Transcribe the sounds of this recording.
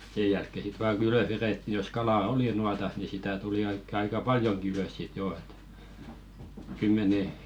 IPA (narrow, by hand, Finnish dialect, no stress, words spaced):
seː jælkːe sit ʋɑː kŭ yløs ʋereˑtːi jos kɑlɑˑ oli nuɑtɑs ni sitæ tuli oikːe ɑikɑ pɑljoŋki yløs sit joː et kymːene